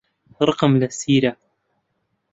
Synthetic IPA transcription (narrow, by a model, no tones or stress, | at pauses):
ɾˤɑqɑmlasiːɾa